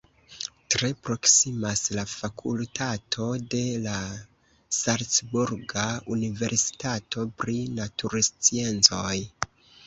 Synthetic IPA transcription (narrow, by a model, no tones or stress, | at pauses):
tɾe̞pɾo̞ksimaslafakʰṵltʰatʰo̞de̞la | saɾt͡sbuɾɡaunive̞ɾsi̥tatʰo̞pɾinatuɾst͡sie̞nt͡so̞j